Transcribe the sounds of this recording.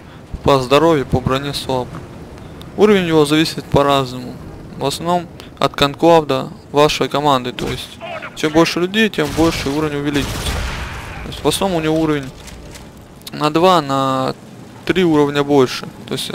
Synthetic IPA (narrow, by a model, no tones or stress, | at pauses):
pəzd̪ɐɾo̞vʲjɪpəbɾɐnʲeslˠabɨ | uɾəvʲɪnʲjɪvo̞zɐvʲisʲɪt̪pɐɾaznəmʊvɐsnɐvno̞m | ɐ̰t̪kɐnklˠavd̪ə | vaʂəjkɐmand̪ɨt̪o̞̰jɪsʲtʲt͡ɕembo̞lʲʂɨlʲʉdʲejtʲembo̞lʲʂɨuɾəvʲnʲʊvʲɪlʲit͡ɕɪvɪt̪sət̪oɪsʲtʲvɐsnomʊnʲɪvouɾəvʲɪnʲ | nɐd̪vanɐ | t̪ɾʲiuɾəvnʲəbo̞lʲʂɨt̪o̞̰ɪsʲtʲ